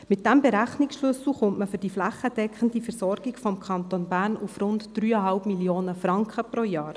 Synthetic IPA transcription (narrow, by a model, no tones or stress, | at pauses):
mɪt̚d̥æmbɛɾæχniksʃlʉsl̩χʊntməfʏd̥iflæχːəd̥ɛkχən̩difɛɾsɔɾɡ̥iɡfɔmkʰɑnt̪onbæːɾnufrʊntd̥ryːəɦɑlpmilioːnəfɾɑŋkχəpɾojɑːɾ